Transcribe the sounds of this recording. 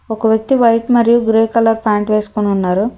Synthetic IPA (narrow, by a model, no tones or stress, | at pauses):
ɔkɐʋjɐk̚t̪iʋɐjʈmɐɾijuɡɾeːkɐlɐɾpʰaːɳʈʋe̞ːsu̥koniunːaːɾu